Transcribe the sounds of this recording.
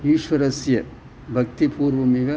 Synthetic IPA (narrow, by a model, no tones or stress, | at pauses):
iːʂʋɐɾɐsjɐ | bʱɐk̚t̪ipʰuːɾʋɐmiɡɐ